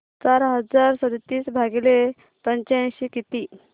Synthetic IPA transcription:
t͡saɾɦəd͡zaɾsəd̪t̪iːsbʱaɡile | pəɲt͡ɕãɕikit̪i

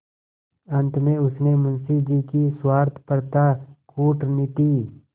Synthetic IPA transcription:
ɐ̃nt̪mẽʊsnemʊnsid͡ʒikiswaːɾt̪ʰpəɾt̪akuːʈnɪʈiː

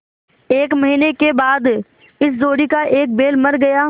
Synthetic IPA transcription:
eːkməɦiːnekebaːd̪ | ɪszoːɽiːkaʔeːk̚beːlməɾɡəjaː

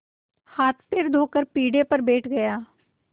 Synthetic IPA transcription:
haːt̪ʰpʰɪɾd̪ʱoːkəɾpiːɖeːpəɾbeːʈʰɡəjaː

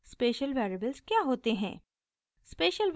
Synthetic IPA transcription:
speːʃəlʋɛːɾiəbəlzkjaɦoːt̪eɦɛ̰̃ː | speːʃəlʋ

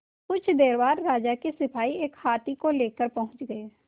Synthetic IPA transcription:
kʊt͡ʃʰd̪eːɾbaːɾːaːd͡ʒakisɪpʰaːieːkhaːt̪ikoleːkəɾpɐɦʊ̃t͡ʃɡəeː

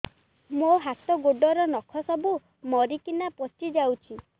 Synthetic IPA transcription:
moɦat̪ɔɡoɖɔɾɔnɔkʰɔsɔbu | mɔɾikinapɔt͡ʃid͡ʒawt͡ʃʰi

